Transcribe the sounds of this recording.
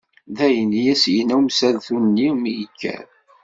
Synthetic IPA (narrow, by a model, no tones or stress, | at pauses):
ðæjənjæsjənæwmsælθunnːimjəkʰːæ̰ɾ